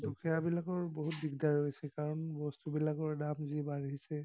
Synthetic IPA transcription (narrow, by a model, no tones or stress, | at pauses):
dukʰiabilakɔɹboɦut̚biɡdaɹojsɛkaɹɔnbɔstubilakɔɹdamzibaɹɦisɛ